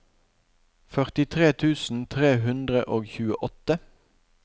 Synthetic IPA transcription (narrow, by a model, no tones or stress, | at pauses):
fœʁt̪ɪt̪ʰʁeːt̪ʰʉːsn̩t̪ʰʁeːɦʉnd̪ʁəʔoːɡçʉːəʔɔt̪ə